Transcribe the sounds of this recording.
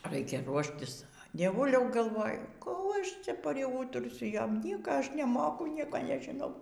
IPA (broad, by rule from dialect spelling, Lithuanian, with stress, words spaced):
ˈrɐɪkʲɛ ˈruɔʃʲtʲɪs dʲiɛˈʋʊlʲɛʊ ɡɐlˠˈʋoːjʊ kuː ˈɐʃ ˈt͡sʲɛ pʲrʲɪˈuːtʊrʲsʲʊ ˈjoːm ˈnʲiɛkɐ ˈɐʃ nʲɛˈmoːkʊ ˈnʲiɛkoː nʲɛʒʲɪˈnɐʊ